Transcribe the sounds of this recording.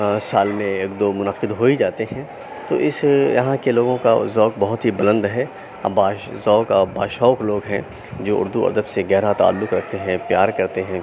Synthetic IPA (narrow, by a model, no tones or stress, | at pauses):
saːlmẽeːkd̪oːmʊnəqɪd̪ɦoːid͡ʒaːt̪eɦɛ̃ | t̪o̰ːʔɪsjɐ̰ɦãkeloːɡõkazɔːk̚bɐɦʊt̪ɦibɐlə̃nd̪ɦɛː | ɐ̰baːzɔːkaba̰ːʃɔːkloːɡɦɛ̰̃ | d͡ʒoːʊ̰ɾd̪uɐ̰ɾd̪əbseɡɛɦɾat̪a̰ːlːʊkɾɐk̚ʰt̪eɦɛ̃pjaːɾkɐɾt̪eɦɛ̃ː